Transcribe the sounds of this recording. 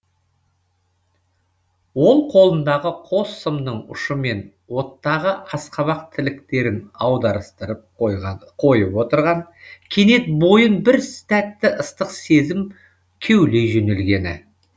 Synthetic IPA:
wo̞lˠqʰo̞lˠənd̪ɑʁəqʰo̞sːəmnəɴʊ̰ʃəme̞n | wo̞t̪ːɑʁəʔɑsqɑβɑq̚t̪ʰɪlɪkt̪e̞ɾɪnɑwd̪ɑɾəst̪əɾəp̚qʰo̞jəpwo̞t̪əɾʁɑɴkʲʰe̞ne̞t̪̚bo̞jənbɪɾsɪ̥t̪æt̪ːɪʔəst̪əqse̞zɪm | kʲʰewle̞jʒɵne̞lɡʲe̞nɪ̰

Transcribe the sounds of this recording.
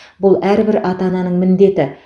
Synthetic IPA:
bʊlˠæɾbɪɾɑt̪ɑnɑnəɴmɪnd̪e̞t̪ɪ

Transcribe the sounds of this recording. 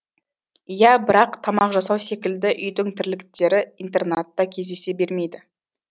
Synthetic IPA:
jæbɪɾɑqt̪ʰɑmɑqʒɑsɑwse̞kʲɪld̪ɪʔʏjd̪ɪŋt̪ʰɪɾlɪkt̪e̞ɾɪint̪e̞rnat̪ːɑkʲʰe̞zd̪e̞se̞be̞ɾme̞jd̪ɪ

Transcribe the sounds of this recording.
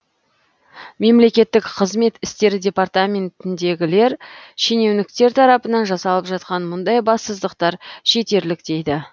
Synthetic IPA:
me̞mle̞kʲe̞t̪ːɪkqʰəzme̞t̪ɪst̪e̞ɾɪdʲe̞part̪amʲe̞nt̪ɪnd̪e̞ɡʲɪle̞ɾʃene̞wnɪk̚t̪e̞ɾt̪ʰɑɾɑpənɑnʒɑsɑlˠəpʒɑt̪̚qɑnmʊnd̪ɑjbɑsəzd̪əqt̪ɑɾʃe̞t̪e̞ɾlɪkt̪e̞jd̪ɪ

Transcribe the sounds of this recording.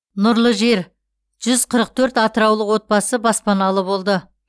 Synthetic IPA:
nʊɾlˠəʒe̞ɾ | ʒ̥ʏzqʰəɾəq̚t̪ʰɵɾt̪ɑt̪əɾɑwlˠəqwo̞t̪̚bɑsəbɑspɑnɑlˠəbo̞lˠd̪ə

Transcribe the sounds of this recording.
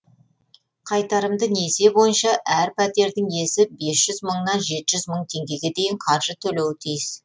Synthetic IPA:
qʰɑjt̪ɑɾəmd̪ənese̞bo̞jənʃɑʔæɾpʰæt̪e̞ɾd̪ɪŋe̞sɪbesʒ̥ʏzməɴnɑnʒe̞t̪ɪʒʏzməɴt̪ʰe̞ŋɡʲe̞ɡʲe̞d̪e̞jɪɴqʰɑɾʒət̪ʰɵlewɪt̪ʰijɪs

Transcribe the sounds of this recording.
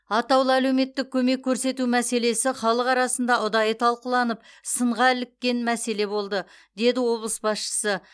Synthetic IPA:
ɑt̪ɑwlˠəæle̞wme̞t̪ːɪk̚ʲʰɵme̞kʲʰːɵɾse̞t̪umæse̞le̞sɪχɑlˠəqɑɾɑsənd̪ɑʊd̪ɑjət̪ʰɑlˠqəlˠɑnəp̚səɴʁɑɪlɪkʲːe̞nmæse̞le̞bo̞lˠd̪əd̪e̞d̪ɪwo̞blˠəsbɑsʃə̥sə

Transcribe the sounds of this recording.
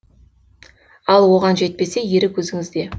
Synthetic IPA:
ɑlˠwo̞ʁɑnʒe̞t̪̚pe̞se̞jeɾɪkʲwɵzɪŋɪzd̪e̞

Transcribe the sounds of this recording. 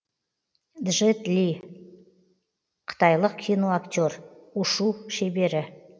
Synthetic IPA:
d̪ʒɪt̪lʲi | qʰə̥t̪ɑjlˠəqkʲʰijno̞akt̪ʲo̞ɾʊʃuʃebe̞ɾɪ

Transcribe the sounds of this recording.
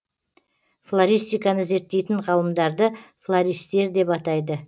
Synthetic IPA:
flˠaɾʲijst̪ijkɑnəze̞ɾt̪ːe̞jt̪ɪɴʁɑlˠəmd̪ɑɾd̪əflˠaɾijst̪e̞ɾd̪e̞pɑt̪ɑjd̪ə

